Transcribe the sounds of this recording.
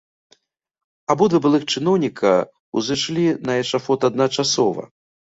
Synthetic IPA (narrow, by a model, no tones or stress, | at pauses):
abɔd̪vɨbɨlˠɨxt͡ʂɨnɔwnʲikʰɐ | uzɨʂlʲinɐɛʂafɔt̪ad̪nat͡ʂasɔvɐ̰